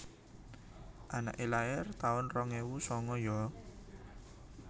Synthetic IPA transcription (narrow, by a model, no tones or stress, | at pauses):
ʔana̰ʔelaɪrt̪aʊnrɔŋewusɔŋɔjɔ